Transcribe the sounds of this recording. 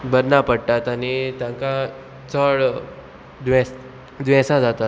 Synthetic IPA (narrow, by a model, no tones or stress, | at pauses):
bəɾnapəɽʈat̪anit̪jãŋkã | t͡səɭ | d̪ʋɛ̃s | d̪ʋɛ̃sãd͡zat̪at̪